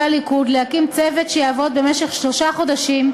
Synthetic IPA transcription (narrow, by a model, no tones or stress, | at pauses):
alikud̪lehakimt͡sevetʃejaːvo̞d̪̚be̞meʃe̞χʃlo̞ʃaχo̞d̪aʃim